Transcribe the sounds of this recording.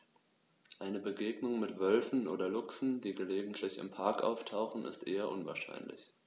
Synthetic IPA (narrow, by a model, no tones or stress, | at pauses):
ʔaɪnəbəɡeːɡnʊŋmɪtv̥œlfn̩ʔoːdɐlʊksn̩diːɡəleːɡŋ̩tʰlɪçɪ̰mpʰaɐkʔa̰ʊftʰaʊxn̩ɪ̰stʔeːɐʔʊnva̰ːɐʃa̰ɪnlɪ̰ç